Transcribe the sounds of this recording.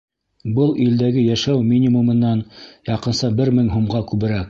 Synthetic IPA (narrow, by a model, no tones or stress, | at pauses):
bɤlˠild̪æɡɘjæʃæwmʲinʲimumɤ̆nːɑnjɑqɤ̆nsɑbɘɾmɘŋɦumʁɑkʉβɘ̆ɾæk̚